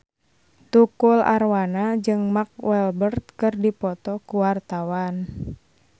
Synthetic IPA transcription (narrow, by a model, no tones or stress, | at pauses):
t̪ukula̰rwanad͡ʒɨŋmak̚wɛlbərt̪̚kɨrdipɔt̪ɔkuwart̪awan